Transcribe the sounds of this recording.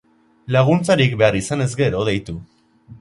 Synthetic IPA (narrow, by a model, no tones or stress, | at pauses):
laɣ̞unt͡saɾik̚be̞arisane̞zɡe̞ɾo̞ðejt̪u